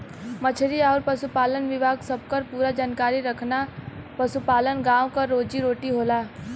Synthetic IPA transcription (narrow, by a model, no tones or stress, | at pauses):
mət͡ʃʰɾiɔːɾpɐsupaːlənʋɪbʱaːɡsɐb̚ʱkɐɾpuːɾad͡ʒaːnkaːɾiɾɐkʰnapɐsupaːlənɡãːwkɐɾːoːd͡ʒiɾoːʈiɦoːlaː